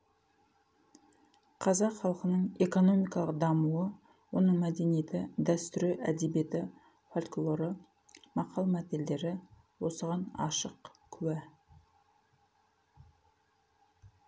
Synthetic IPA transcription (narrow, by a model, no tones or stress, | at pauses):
qʰɑzɑqχɑlˠqənəɴe̞ko̞no̞mijkɑlˠəq̚d̪ɑmuə | wo̞nəɴmæd̪e̞nijet̪ɪd̪æst̪ʏɾeʔæd̪ebije̞t̪ɪ | folʲklˠo̞ɾə | mɑqʰɑlˠmæt̪eld̪e̞ɾɪ | wo̞səʁɑnɑ̰ʃəqkʲʰʉwæ